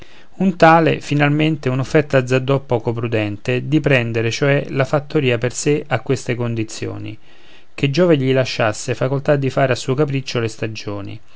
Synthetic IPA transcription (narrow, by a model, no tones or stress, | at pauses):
unt̪aːlḛfinalment̪eunofːɛrt̪ːad̪zːad̪ːɔpːɔːkopɾud̪ɛnt̪ed̪ipɾɛnd̪eɾet͡ʃoɛlafat̪ːoɾiːaperseʔakːwest̪ekond̪it̪sːjo̰ːnḭ | k̟ed͡ʒːɔːveʎilaʃːasːeafakolt̪ad̪ːifaːɾeasːuːokapɾit͡ʃːolest̪ad͡ʒoːnḭ